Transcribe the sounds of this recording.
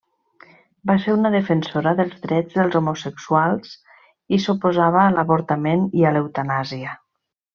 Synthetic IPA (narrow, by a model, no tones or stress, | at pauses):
baseɾunəðəfənsoɾəðəlˠzðɾɛd͡zðəlˠzomusəksualˠs | isupozaβ̞əːləβoɾt̪ameniələwt̪anaziə